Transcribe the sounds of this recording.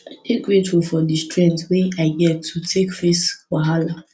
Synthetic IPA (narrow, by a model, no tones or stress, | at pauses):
atʰek̚ɡɹetfulfɔdistɹɛ̃ntsweaɪɡɛtʰːutʰekfeswaɦala